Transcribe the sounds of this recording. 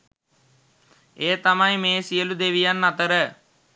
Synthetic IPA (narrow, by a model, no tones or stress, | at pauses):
eːt̪amajmeːsijəlud̪eʋijanːat̪əɾə